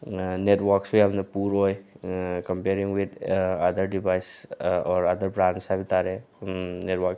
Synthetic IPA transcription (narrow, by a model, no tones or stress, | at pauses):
netwaɾksujabndɐpuɾojkɐmpeɾiŋwid̪ad̪əɾdibajsɔɾad̪əɾbɾansajbitaɾe | netwak